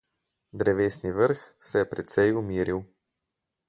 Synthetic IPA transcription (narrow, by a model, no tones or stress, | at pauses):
d̪ɾɛvɛsnivəɾxsɛɛpɾɛt̪sɛjʊmiɾilˠ